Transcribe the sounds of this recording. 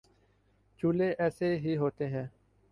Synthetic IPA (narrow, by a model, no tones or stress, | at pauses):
t͡ʃuːleːʔɛːseːɦiːɦoːt̪eːɦɛ̃ː